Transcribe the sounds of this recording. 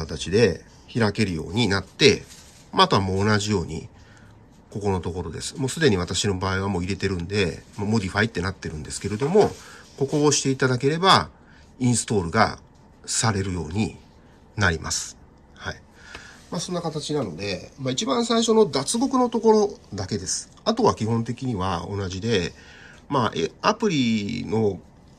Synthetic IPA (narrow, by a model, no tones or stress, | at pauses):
at̪at͡ɕid̪e̞ | çiɾake̞ɾɯ̟jo̞̰ːɲ̟inat̪ːe̞ | mat̪o̞amo̞ːnaʑijo̞ːɲ̟ḭ | ko̞ko̞no̞t̪o̞ko̞ɾo̞d̪e̞̰sɨ̥mo̞ːsɨd̪e̞ɲ̟iβ̞at̪aɕino̞baːiβamo̞ːiɾe̞t̪e̞ɾɯ̟̃nd̪e̞mamo̞d̪ʲiɸait̪ːe̞nat̪ːe̞ɾɯ̟̃nd̪e̞sɨ̥ke̞ɾe̞d̪o̞mo̞ko̞ko̞ːɕi̥t̪e̞it̪ad̪ak̬e̞ɾe̞ba | ĩɰ̃sɨ̥t̪o̞ːɾɯ̟ɡa̰ | saɾe̞ɾɯ̟jo̞̰ːɲ̟i | naɾʲima̰sɨ̥ | hai | maso̞nːakat̪at͡ɕinano̞d̪e̞mait͡ɕibãɰ̃saiɕo̞no̞d̪at͡sɨɡo̞kɯ̟not̪o̞ko̞ɾo̞d̪ake̞d̪e̞sɨ̥ | at̪o̞βakʲihõ̞nt̪̬e̞kʲiɲ̟iβa̰o̞̰naʑid̪e̞ | maʔeapɯ̟ɾʲino̞